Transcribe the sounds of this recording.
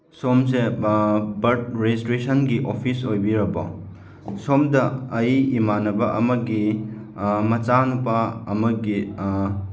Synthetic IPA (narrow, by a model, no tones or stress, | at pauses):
somse | bɐɾt̚ɾestɾisɐnɡiʔopʰisojbiɾɐbɐ̰ | somdɐɐjimanɐbɐʔɐmɐɡi | mɐt͡ʃanupɐɐmɐɡi